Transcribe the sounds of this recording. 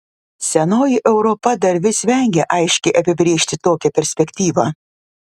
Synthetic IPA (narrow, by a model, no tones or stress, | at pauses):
sʲɛnoːjɪʔɛʊɾɔpɐd̪ɐɾʲʋʲɪsʲʋʲɛŋʲɡʲɛʔɐɪʃʲkʲɛɪʔɐpʲɪbʲɾʲeːʃʲt̪ʲɪt̪oːkʲɛpʲɛɾʲsʲpʲɛkʲt̪ʲiːʋɑː